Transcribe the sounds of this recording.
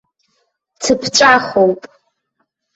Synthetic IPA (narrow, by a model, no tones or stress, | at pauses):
tʰɨpʰt͡ʃʷʼaχowpʼ